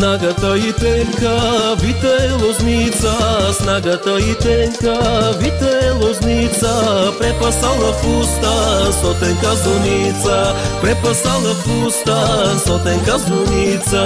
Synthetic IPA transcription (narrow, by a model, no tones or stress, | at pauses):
naɡat̪ait̪ɛŋkəvit̪ɛlˠɔznit̪sasnaɡat̪ait̪ɛŋkavit̪ɛlˠɔznit̪sapɾɛpasalˠɐfust̪asɔt̪ɛnkazunit̪sapɾɛpasalˠəfust̪ast̪ɔt̪ɛnkazʊnit̪sa